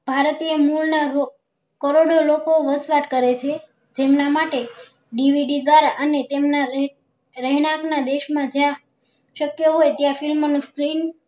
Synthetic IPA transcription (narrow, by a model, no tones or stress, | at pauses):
bʱaɾt̪iemulnaɾo | kəɾoɽolokoʋəsʋaʈkəɾet͡ʃʰe | d͡ʒemnamaʈe | ɖiʋiɖid̪ʋaɾaʔənet̪emna | ɾəɦinaknad̪eʃmãd͡ʒjã | ʃəkjoɦojt̪jãfɪlmonũskɾin